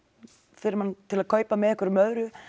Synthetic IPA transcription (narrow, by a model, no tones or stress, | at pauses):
fɪɾɪɾmant̪ʰɪlaðkʰœːɥpamɛðɛhkvəɾʏmœðɾʏ